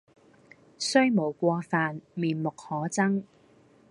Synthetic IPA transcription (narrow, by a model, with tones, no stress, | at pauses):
sɵ˥ɥmo˨˩wkʷɔː˧faː˨nmiː˨nmʊ˨k̚hɔː˨˥t͡sɐ˥ŋ